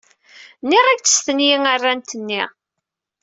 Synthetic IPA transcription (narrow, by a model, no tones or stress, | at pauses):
nːiʁæɡt͡sːə̥sθənjiŋarːant̪ənːi